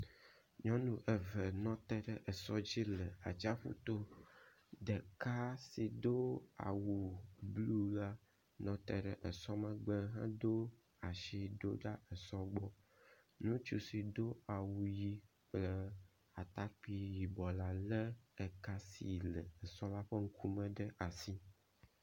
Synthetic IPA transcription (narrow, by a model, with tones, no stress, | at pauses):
ɲɔ̃˦nũ˨ʔɛ˨və˨nɔ̃˦t̪ɛ˦ɖɛ˨ʔɛ˨sɔ˦d͡ʑi˦lə˨a˨t͡ʃa˦ɸṵ˦t̪o˦ | ɖ̪ə˨ka˦si˨d̪o˦a̰˨wu˨blu˦la˦ | nɔ̃˨t̪ɛ˨ɖə˨ʔə˨sɔ˦mə̃˦ɡ͡bə˦ɦã̰˦d̪o˦ | a˨ʃi˦ɖo̰˦ɖa˦ɛ˨sɔ˦ɡ͡bɔ˦ | nũ˦t͡ʃu˦si˨d̪o˦a˨wu˨ji˦ | k͡plə˦ | a˨t̪a˦k͡pi˦ji˨bɔ˨la˦lə˦ɛ˨ka˦si˨lɛ˨ɛ˨sɔ˦la˦ɸə˦ŋ̩˦kʰu˦mɛ̃˦ɖə˦ʔa˨si˦